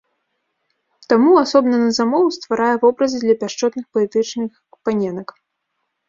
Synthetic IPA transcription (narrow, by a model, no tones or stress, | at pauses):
t̪amuasɔbnɐnɐzamɔwust̪vaɾajɛvɔbɾɐzɨd̪lʲɐpʲaʂt͡ʂɔt̪nɨxpɐlʲɛt̪ɨt͡ʂnɨx | panʲɛnɐk